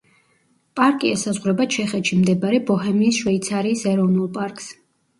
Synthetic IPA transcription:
pʼaɾkʼiɛsazʁwɾɛbat͡ʃʰɛχɛt̪ʃimd̪ɛbaɾɛbɔɦɛmiːsʃwɛit̪sʰaɾiːsɛɾɔvnulˠpʼaɾkʼs

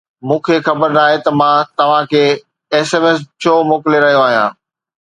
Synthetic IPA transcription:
mũːkʰexɐbəɾnaːɦet̪ɐmãt̪ɐʋ̤ãkʰeː | eːseːmeːst͡ɕʰoːmoːkɪleɾɐɦijoaːɦijãː

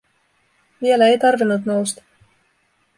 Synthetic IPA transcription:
ʋielæe̞jt̪ɑrʋinːut̪no̞wst̪ɑ̥

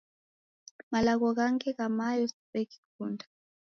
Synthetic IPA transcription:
malak̬ɔk̬aŋkʰɛkamajɔsɓɛki̥kʰuːndʰʱʼḁ

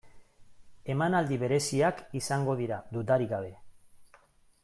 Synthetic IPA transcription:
e̞manald̪iβe̞ɾe̞siakisaŋɡo̞ð̞iɾad̪ut̪aɾiɣaβ̞e̞

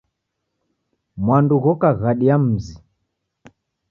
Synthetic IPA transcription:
mwanduɣɔkaɣaɗiam̩zi

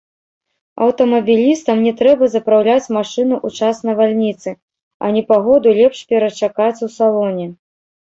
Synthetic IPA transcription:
ɐ̰wt̪ɐmɐbʲilʲist̪ɐmnʲɛt̪ɾɛbɐzɐpɾawlʲat͡sʲmaʂɨnuʔut͡ʂasnɐvalʲnʲit̪sɨ | ɐ̰nʲɛpaɣɔd̪ulʲɛpʂpʲɛɾɐt͡ʂakat͡sʲwsalˠɔnʲɛ

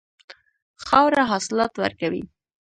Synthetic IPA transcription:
xɑwɾaɦɑsɪlɑt̪wə̰ɾkawḭ

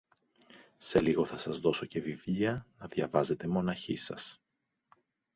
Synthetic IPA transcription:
se̞liɣo̞θɐsɐzðo̞so̞ce̞vivʎiɐnɐðʝɐvɐze̞t̪e̞mo̞nɐçisɐ̰s

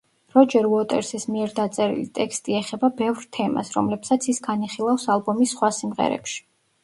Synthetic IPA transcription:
ɾɔd͡ʒɛɾuɔt̪ʼɛ̰ɾsismiɛɾd̪at̪sʼɛɾḭlit̪ʼɛkst̪ʼiɛχɛbabɛvɾt̪ʰɛma̰sɾɔ̰mlɛpsat̪sʰisɡaniχilˠafsalˠbɔmisːχwasimʁɛ̰ɾɛ̰pʃi̥

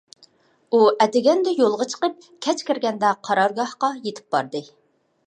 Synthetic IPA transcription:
uɛt̪ɪɡʲɛnd̪ɛjolˠʁɑt͡ʃʰə̥qəp̚ | kʲʰɛt͡ʃkʲɪɾɡʲɛnd̪ɛqʰɑɾɑɾɡɑhqɑjet̪ʰɪ̥p̚bɑ̰ɾd̪ɨ

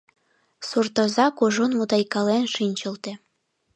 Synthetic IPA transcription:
surt̪ɤ̆zɑkuʒunmud̪ɑjkɑlenʃinʲt͡ɕə̆lt̪ĕ

